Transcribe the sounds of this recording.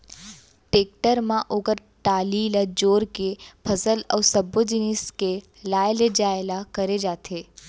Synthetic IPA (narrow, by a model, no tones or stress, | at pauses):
ʈeːk̚ʈəɾmãʔoːɡəɾ | ʈaːliːlad͡ʒoːɾkepʰɐsəlɐːsɐbod͡ʒiniske | laːeled͡ʒaːelakɐɾed͡ʒaːt̪ʰeː